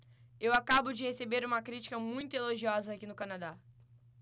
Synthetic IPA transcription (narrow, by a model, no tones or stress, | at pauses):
ewakabʊd͡ʒɪhesebeɾũmɐkɾit͡ʃi̥kɐmũj̃t̪ʊeloʒiɔzɐːkinʊkɐnad̪a